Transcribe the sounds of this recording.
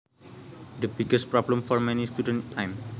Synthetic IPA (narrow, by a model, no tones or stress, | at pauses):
dəbiɡəs̚pɹɔblə̃mfɔrmɛ̃nist̪udə̃nt̪ʰãjm